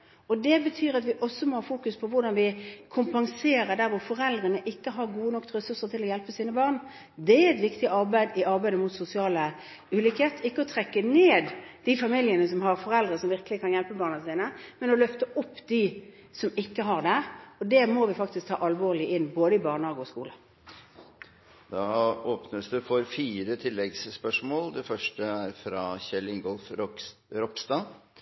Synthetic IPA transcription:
ɔd̪ɛbət̪ʰyːɾɑt̪ʋɪʔɔsːɔmɔhɑːfuːkʉspʰɔʋʊɾɖ̪ɑnʋɪkʰʊmpɑŋseːɾəd̪æɾʋʊɾfɔɾɛld̪ɾənəʔɪkːəɦɑɾɡuːənɔkːt̪ɾɛsʉɾsət̪ʰɪlɔjɛlpəsiːnəbɑːʁn | d̪ɛæɛt̪ʋɪkt̪ɪɑɾbæɪd̪ɪʔɑɾbæɪd̪əmʊt̪sʊsɪɑːlə | ʉːliːkheːt̪əɪkːəɔt̪ʰɾɛkːəneːd̪d̪̥ifɑmiljənəsɔmɦɑʁfɔɾɛld̪ɾəsɔmʋɪʁkəlɪkʰɑnjɛlpəbɑːʁnənsiːnəmɛnɔlœft̪əʔɔpːd̪i | sɔmɪkːəɦɑʁd̪æɔd̪ɛmɔʋɪfɑk̚t̪ɪsk̚t̪ʰɑ̰ːʔɑlʋoːʁlɪʔɪnːboːd̪əɪbɑːʁnhɑːɡɔskṵːlə | d̪̥ɑːoːpnəsd̪ʉfɔɾfiːɾət̪ʰɪlːɛɡsːpœʂmoːld̪ɛfœʂʈəæɾfɾɑçɛlɪŋɡɔlfɾɔkst̪ɑ

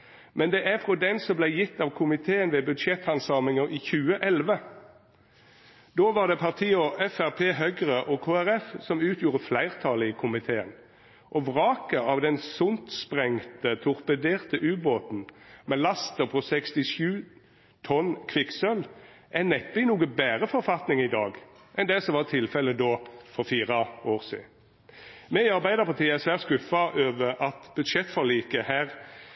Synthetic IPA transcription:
mɛnd̪ɛːʔæfʁɔd̪ɛnsɔmblæɪjɪt̪ːɑʋkʰʊmɪt̪ʰeːənʋɛːbʉd̪ʃɛt̪hɑnsɑːmɪŋəʁʔiːçʉːəʔɛlʋə | d̪oːʋɑʁd̪ɛpʰɑʁt̪ʰiːɔʔɛfæʁpʰeːɦœɡəʁəʔɔkʰoːæʁɛfsɔmʉːt̪ʰjuːʁəflæɪʁt̪ʰɑːləiːkʰʊmɪt̪ʰeːə̰n | ʔɔʋʁɑːkəɑʋd̪ɛnsʊnt̪spʁɛŋt̪ət̪ʰʊʁpəd̪eːʁt̪əʔʉːboːt̪n̩mɛlɑst̪əpʰɔsɛkst̪ɪʃʉː | t̪ʰɔnkʰʋɪksœlʔænɛt̪ːɪnuːɡəbæːʁəfɔɾfɑt̪nɪŋɪd̪ɑːɡ | ʔɛnd̪ɛsɔʋɑʁt̪ʰɪlfɛləd̪oːfɔʁfiːʁɑoːʁsḭː | mɛɪɑʁbæɪd̪əʁpɑʁt̪iːəæsʋæːʁskʉfɑʔøːʋəʁɑt̪bʉd̪ʃɛt̪ːfɔʁliːkəhæːʁ

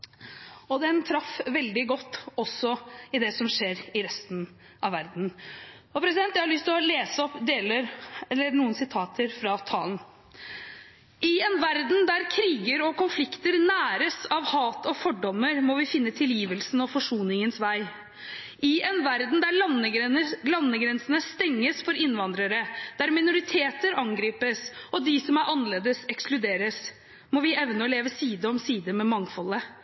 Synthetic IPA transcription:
ɔd̪ɛnt̪ʰɾɑfʋɛld̪ɪɡɔt̪ːɔsɔɪd̪ɛsɔmʂeːɾɪɾɛst̪n | ʔɑʋæɾd̪n̩ | ɔpʰɾɛsɪd̪ɛnt̪jæhɑɭlʏst̪lɔleːsəɔpd̪eːləɾɛlːəɾnuːənsɪt̪ʰɑːt̪ʰəɾfɾɑt̪ʰɑːln | ʔɪɛnʋæɾd̪nd̪æɾkʰɾiːɡəɾɔkʊnflɪkt̪əɾnæːɾəsɑʋhɑːt̪ʰɔfɔɖɔmːəɾmɔʋɪfɪnːət̪ʰɪljiːʋəlsn̩ɔfɔʂuːnɪŋənsʋæɪ | ɪɛnʋæɾd̪n̩d̪æɾɭɑnːəɡlɑnːəɡɾɛnsənəst̪ɛŋːəsfɔɾɪnːʋɑnd̪ɾəɾəd̪̥æɾmɪnʊɾɪt̪ʰeːt̪əɾɑŋɡɾiːpəs | ɔd̪ɪsɔmæɾʔɑnəleːd̪əsɛksklʉd̪eːɾəs | mɔʋɪɛʋnəɔleːʋəsiːd̪əɔmsiːd̪əmɛmɑŋfɔlːə

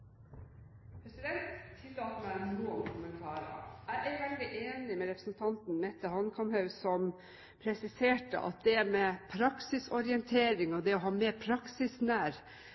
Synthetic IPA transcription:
pʰɾɛsɪd̪ɛnt̪ːʰɪd̪ɑt̪m̩æɾnuːɔmkʰʊmənt̪ʰɑːɾəə̰æɪʔæɾʊʋɛld̪ɪʔeːnɪmɛɾɛpɾəsnt̪ʰɑnt̪n̩mɛt̪ːəhɑnkʰɑmhɑʉsɔm | pʰɾɛsɪseːʈə̰ʔɑ̰t̪̚d̪ɛæɾmɛpʰɾɑksɪsɔɾɪɛnt̪ʰeːɾɪŋɔd̪ɛɔɦɑːmeːɾpʰɾɑksɪsnæːɾ

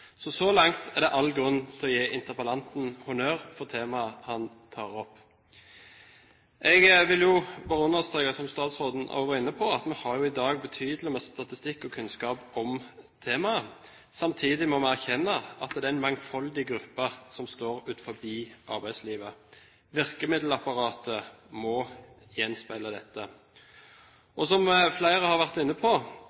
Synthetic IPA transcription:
sɔsɔlɑŋt̪ʰɛʁd̪ɛʔɑlːɡɾʉnːt̪ʰɛɔjeːʔɪnt̪əpəlɑnt̪n̩hʊnøːʁfɔʁt̪ʰeːmɑəhɑn | t̪ʰɑːʁɔpː | ʔɛɡʋɪljʊbɑʁʊnːɑst̪eːɡɑsɔmst̪ɑːt̪sʁoːd̪n̩ʔo̰ːʋəʁɪnːəpʰɔɑt̪mɛhɑʁjʊɪd̪ɑːɡbət̪ʰyːd̪lɪmɛst̪ɑt̪ɪst̪ɪkːɔkʰʉnskɑːpɔmt̪ʰeːmɑə | sɑmt̪ʰiːd̪ɪmɔmɛæʁçɛnːəɑt̪d̪ɛæɪnmɑŋfɑld̪ɪɡɾʉpːəsɔmst̪oːɾʉːt̪fɔbiːʔɑ̰ɾbæɪd̪sliːʋə | ʋɪʁkəmɪd̪l̩ɑpɑʁɑːt̪ʰəmɔ | jɛnspæɪləd̪ɛt̪ːə | ʔɔsɔmflæɪɾəhɑɾʋæʁt̪ɪnːəpʰɔ

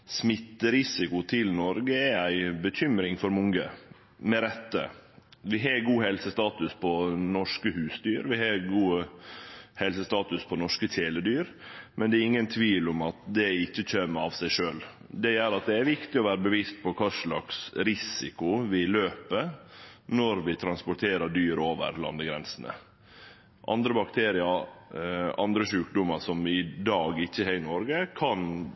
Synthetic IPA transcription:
smɪt̪ːəɾɪsɪkʊt̪ʰɪlnɔɾɡəææɪbəc͡çʏmɾɪŋfɔɾmʊŋə | mɛɾɛt̪ːə̰ʋɪɦɑɡuːɦɛlsəst̪ɑːt̪ʉspʰɔnɔʂkəhʉːsd̪yːɾʋɪhɑːɡuː | hɛlsəst̪ɑːt̪ʉspʰɔnɔʂkət̪ʰeːləd̪yːɾmʔɛnd̪ɛɾɪŋːənt̪ʰʋiːlʊmɑt̪d̪ɛɪçːəc͡çømɑʋsæɪʂøːl | d̪ɛjæɾɑt̪̚d̪ɛæɾʋɪkt̪ɪɔʋæːɾəbəʋist̪̚pʰɔkʰɑːʂlɑ̰ksɾɪsɪkʊʋɪløːpənɔɾʋɪt̪ʰɾɑnspʊʈ̪ʰeːɾəɖyːɾoːʋə̰ɾlɑ̰nd̪əɡɾɛ̰nsənə̰ | ʔɑ̰nd̪ɾəbɑkt̪ʰeːɾɪə | ɑ̰nd̪ɾəʃʉːkd̪ʊmːəʂɔmɪd̪ɑːɡɪçːəhæɪnɔɾɡəkʰɑn

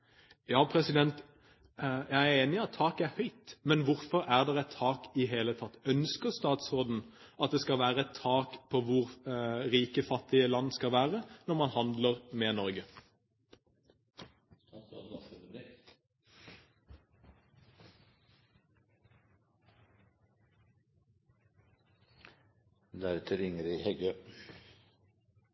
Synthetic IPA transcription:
jɑːpʰɾɛsɪd̪ɛnt̪ | jæɪæɾeːnɪɑt̪ʰːɑːkæɾhœʏt̪mɛnʋʊɾfɔɾæʁd̪ɛʁɛt̪ʰːɑːkɪɦeːlət̪ʰɑt̪ːœnskəʁst̪ɑːt̪sʁoːd̪n̩ | ʔɑt̪̚d̪ɛskɑʋæːʁəɛt̪ʰːɑːkpʰɔʋʊɾʁiːkəfɑt̪ːɪəlɑnːskɑʋæːʁənɔʁmɑnhɑnd̪ləʁmɛnɔɾɡə | d̪æɾt̪ʰəɾɪŋəɾihɛɡøː

